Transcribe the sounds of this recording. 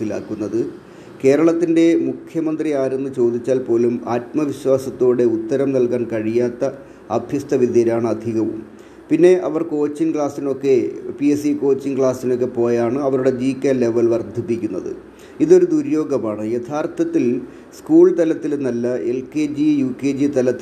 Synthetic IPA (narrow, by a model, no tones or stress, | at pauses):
sila̰ːkːunːɐðɨ | ke̞ːɾɐɭɐt̪ːinde̞mukʰjɐmɐnd̪riaːɾunːut͡ɕo̞ːd̪it͡ɕːaːlpo̞ːlumaːtmɐʋiɕwaːsɐt̪ːoːɽe̞ut̪ːɐɾɐmnɐlkaːnkɐɻijaːt̪ːɐ | ɐbʱjɐst̪ɐʋid̪jɐɾaːɳɨɐd̪ʱiɣɐʋṵm | pinːe̞ʔɐʋɐrko̞ːt͡ɕːinkɭaːsino̞kːe̞pies̬iko̞ːt͡ɕːinkɭaːsino̞kːe̞po̞ːjaːɳɨɐʋɐɾuɽe̞d͡ʑiːkːɐle̞ʋɐlʋɐrd̪ʱipːikʲːunːɐðɨ̰ | iðo̞ɾud̪uɾjo̞ːɡɐmaːɳɨjɐt̪ʰaːrt̪ʰɐt̪ːil | skuːɭt̪ɐlɐt̪ːilnɐlːɐe̞lked͡ʑijuːked͡ʑit̪ɐlɐt̪ːi